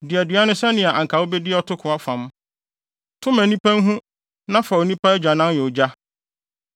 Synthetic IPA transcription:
dɪ˨æ˨dɥa˦nʊ̃˦sɛ˦nɪ̃˨a˨ʔã˨ŋ̩˨kʰa˨wo˦bɛ˦dɪ˦ɔ˦tʰʊ˦kʰʊ˨a˦fã˨m˦ | tʰʊ̃˦mæ̃˨nĩ˦pʰæ̃˦ŋ˦ɦũ˦ | nã˦fa˨wo˨nĩ˦pʰa˦d͡ʑᶣa˨nã˦njɛ˨ʊ˨d͡ʑa˦

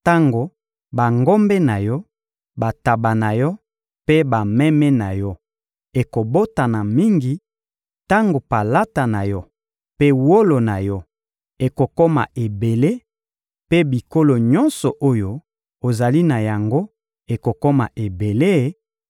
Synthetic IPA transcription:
ta˦ŋɡo˨ | ba˨ŋɡo˦mbɛ˦na˨jɔ˦ | ba˨ta˨ba˨na˨jɔ˦ | pe˦ba˨mɛ˦mɛ˦na˨jɔ˦ | e˨ko˨bo˦ta˨na˨mi˦ŋɡi˨ | ta˦ŋɡo˨pa˨la˦ta˨na˨jɔ˦ | pe˦wo˦lo˨na˨jɔ˦ | e˨ko˨kɔ˦ma̰˨ʔe˨be˨le˦ | pe˦bi˨ko˦lo˨ɲɔ̃˦nsɔ˨ʔo˦jo˦ | o˨za˨li˦na˨ja˨ŋɡo˦ | e˨ko˨kɔ˦ma̰˨ʔe˨be˨le˦˨˦

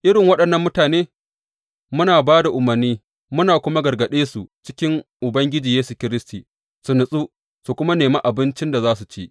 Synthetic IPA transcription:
ʔɪ˦ɽɪ˨ŋwɐ˦ɗɐ˨nːɐ˦mːʊ˦taː˨neː˦ | mʊ˦naː˨baː˦da˨ʔʊ˨mɐ˨rniː˦ | mʊ˦naː˨kʷʊ˦ma˦ɡɐ˨rɡɐ˨ɗeː˦su˨t͡ʃɪ˦kʲɪ˦ŋʔʊ˨bɐ˦ŋɡʲɪ˦d͡ʒiː˨jeː˦su˨kʲɪ˦ɾɪ˦stiː˨ | su˨nʊ˨sʼu˦ | su˨kʷʊ˦ma˦neː˨maː˦ʔa˨bɪ˦nt͡ʃɪ˦nda˨zaː˦su˨t͡ʃeː˦ʔ

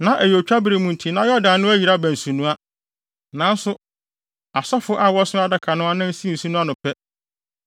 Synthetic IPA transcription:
nã˨ʔæ˨jɛ˨t͡ɕᶣa˦bɾe˨mũ˨n˨tʰĩ˨nã˦jɔ˦dã˨nʊ̃˦æ˦ji˨ɾa˦bæ̃˨n̩˨sũ˨nũ˦a˦ | nã˨n˦sʊ˦ | a˨sɔ˦fʊ˦ʔa˨wɔ˦sʊ̃˦a˦da˨kʰa˨nʊ̃˦a˦nã˦n̩˦si˦˨n̩˨sũ˦nũ˦a˦nʊ̃˨pʰɛ˦

